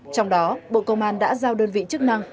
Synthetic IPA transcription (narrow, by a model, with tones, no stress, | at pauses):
t͡ɕɔ˧wŋ͡mɗɔ˨˦ɓo̰˧˨kə˧wŋ͡mʔaː˧nɗa̰ː˧˥zaː˧wɗəː˧nvḭ˧˨t͡ɕɨ˦˥ək̚na˧ŋ